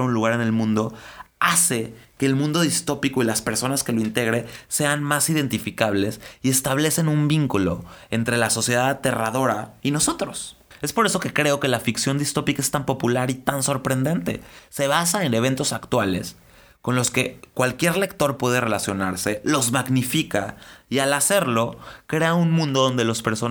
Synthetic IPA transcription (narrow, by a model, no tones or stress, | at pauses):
unluɣaɾe̞nelmũnd̪o̞ase̞ke̞ːlmũnd̪o̞ðist̪o̞piko̞ilaspe̞ɾso̞naske̞lo̞int̪e̞ɣ̞ɾe̞se̞anmasiðe̞nt̪ifikaβ̞le̞sie̞st̪aβ̞le̞se̞numbiŋkulo̞̰ent̪ɾe̞laso̞sje̞ðaðat̪e̞rað̞o̞ɾaino̞so̞t̪ɾo̞s | e̞spo̞ɾe̞so̞ke̞kɾe̞o̞ke̞lafiksjo̞nd̪ist̪o̞pikae̞st̪ampo̞pulaɾit̪anso̞ɾpɾe̞nd̪e̞nt̪e̞̰se̞β̞as̬ae̞ne̞β̞e̞nt̪o̞sakt̪wale̞̰s | ko̞nlo̞ske̞kwalkje̞ɾle̞kt̪o̞ɾpwe̞ðe̞re̞lasjo̞naɾse̞lo̞zmaɣnifikaialase̞ɾlo̞kɾe̞aunmũnd̪o̞ðo̞nd̪e̞lospe̞ɾso̞